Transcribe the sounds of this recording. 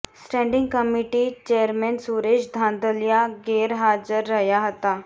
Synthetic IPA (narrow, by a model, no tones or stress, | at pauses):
sʈɛ̃ɳɖiŋɡkəmiʈiːt͡ɕeəɾmɛnsuɾeɕd̪ʱãnd̪əljaɡeɾɦad͡zəɾːəjaɦət̪a